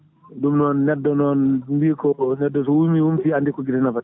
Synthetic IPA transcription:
dumnɔnːɛdːɔnɔnnbikɔnɛdːɔs̬ɔwumiwumsiandikɔɡitɛnafa

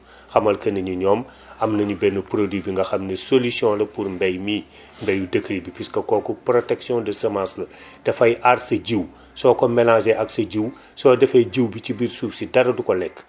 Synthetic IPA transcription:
xɐmɐlkɐnɐɲuɲɔːm | ɐmnɐɲubɛnəpɾodwibiŋɡɐxɐmnesolisjɔ̃lɐpuɾmbɛjmi | mbɛjudəkʰɾibipiskɐkɔːkɔpɾotɛksjɔ̃dəsɐmãːslɐd̥ɐfɐjʔaɾsɐɟiw | sɔːkɔmɛlãzɛʔɐksɐɟiw | sɔːdɛfɐɟiwbit͡ʃibiɾsuːfsidɐɾɐdukɔlɛkː

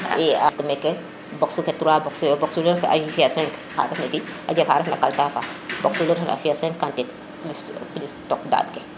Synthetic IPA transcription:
ɛaskɐmɛkːɛ | bɔksukɛtuɾaːbɔksubɔksuləɾfɛʔa̰ifiasɛ̃ŋkha̰ɾɛfnɐtiʔa̰ɟɛkhaːɾfnɐ̰kaltafabɔksuləɾfnʔa̰fiasɛ̃ŋkkːantɛt | plispilistɔkda̰ːb̚kɛ

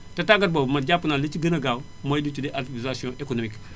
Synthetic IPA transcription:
tataɡat̚bobmaɟapːnalit͡ʃiɡɐnaɡaw | majdut͡ʃudeʔativizasiõʔekonomik

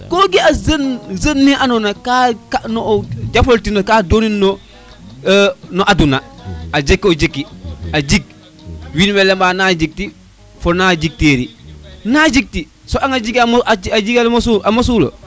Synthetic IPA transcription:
koɡiazənzənːiʔanonakakaʔnod͡ʒafoltinokadoːninːo | nɔʔadunaad͡ʒekːod͡ʒekːiad͡ʒik̚ | winmɛlembaːnad͡ʒik̚ti | fonad͡ʒik̚teːɾinad͡ʒik̚ti | soʔaŋad͡ʒiɡad͡ʒiɡalmsuʔamosulo̰

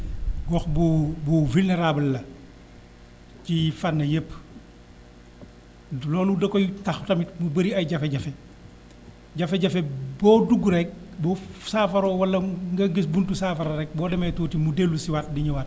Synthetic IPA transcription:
ɡɔxbɔbɔvulneɾaːbɐlːɐ | cifanːɐjəpː | lɔːludɐkɔjtaxtɐmit̚mubɐɾiɐjɟɐfɛɟɐfɛ | ɟɐfɛɟɐfɛbɔːduɡuɾɛk̚bɔːsaːfɐɾɔːwɐlːɐŋɡɐɡisbuntusaːfɐɾɐɾɛk̚bɔːdɐmɐjtuːtimudelːusiwat̚diɲuwat̚

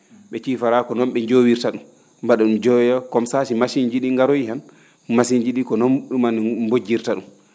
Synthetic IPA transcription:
ɓɛt͡ʃiːfaɾakɔnɔnɓɛɲd͡ʒowiɾtaɗum | baɗaɗumd͡ʒɔjɔkɔmsaʃimasiɲd͡ʒiɗiŋɡaɾojihan | masiɲd͡ʒiɗikɔnɔnɗumanbod͡ʒːiɾtaɗum

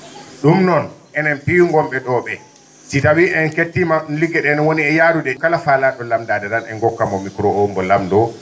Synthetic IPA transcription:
ɗumnɔn | ɛnɛnpiŋɡɔmɓɛɗɔɓɛ | sitawiʔɛnketːimaɗunliɡɛɗɛnɔwoniɛjaːɾudɛkalafalaɗɔlamdadɛnanɛŋɡɔkːamɔmikɾɔɔmbɔlamdɔ

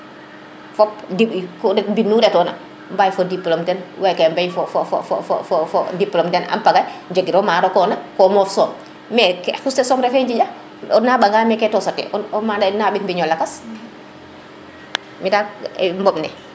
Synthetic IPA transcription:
fɔp̚dikɔɾɛtbinːuɾɛtɔːna̰ | mbajfɔdiplɔmtɛnwajkɛmbajfɔfɔfɔ̰ffɔ̰fɔfɔdiplɔmtɛna̰mpaɡajɲd͡ʒaɡiɾɔmaːɾɔkɔnakɔmɔfsɔːm | mɛkɛxustɛsɔːmɾɛfɛɲd͡ʒid͡ʒa | ɔnːaɓaŋɡamɛkɛtɔsatːɛ̰ʔɔɔmadanaɓitmbiɲɔlakas | midaɛmbɔɓnɛ̰

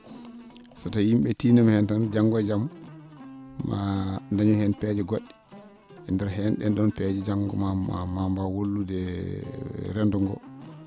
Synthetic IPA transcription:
satajimɓɛtiːnamhɛntand͡ʒaŋɡɔd͡ʒam | ma̰ndaɲɔhɛnpɛd͡ʒɛɡoɗːi̥ | ɛndɛɾɦɛnɗɛnɗɔnpɛd͡ʒɛd͡ʒaŋɡɔmaamambawolːudɛ | ɾɛndɔŋɡɔ̰

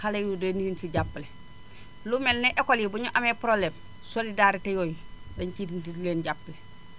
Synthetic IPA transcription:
alejudenijunsiɟapːle | lumelneʔekolibuɲuʔamepɾoblem | solidaɾitejoːjdeɲkitileːnɟapːle

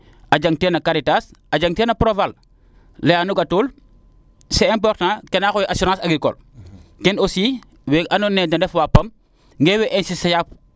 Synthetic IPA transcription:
ʔɐɟɐŋtɛnɐkaɾitasɐɟaŋtɛːnɐpɾoval | lɛanuɡɐtuːl | sɛɛmp̬ɔɾtnakɛnaːxojiʔasɔɾãsɐɡɾikɔ̰lkɛnosiː | wɛʔɐnonɛdɐndɛfwapːɐm | ŋɡɛwɛʔɛnsisɐjap

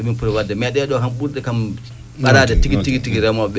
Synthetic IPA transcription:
ɔminpuɾɔwadːɛmɛɗɛɗɔkamɓuɾdɛkam | ɓaɾadɛtiɡitiɡitiɡiɾɛmɔɓɛ

